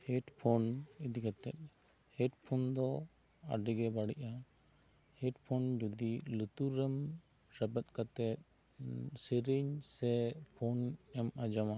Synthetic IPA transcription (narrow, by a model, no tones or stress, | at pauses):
hɛʈpʰɔnid̪ikat̪ɛ̰t̪̚ˀ | hɛʈpʰɔnd̪ɔ | a̰ɖiɡɛbaɽiʔa | hɛʈpʰɔnd͡ʒud̪ilut̪uɾəm | ɾɛbət̪̚kat̪ɛt̪̚ | siɾiɲsɛpʰɔnɛmad͡ʒɔma